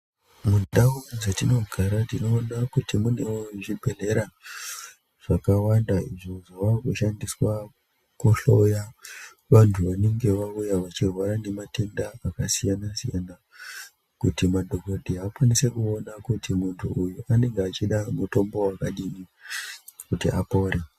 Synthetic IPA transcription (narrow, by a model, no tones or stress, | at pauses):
mudauzetino̞ɡʱaɾatino̞ːnakutimune̞woʐibʱe̞le̞ɾa | ʐ̥akawandaiʐo̞ʐo̞ʋakuʃandiswa | kuɬoja | ʋantʰuʋane̞ŋɡe̞ʋaujaʋat͡ʃirwaɾane̞mate̞ndaakasijanasijana | kutimadʱo̞kodʱiakwanise̞kuo̞nakutimuntʰuujuʔane̞ŋɡeat͡ʃiɗamuto̞mbo̞wakaɗini | kutiʔapo̞ɾe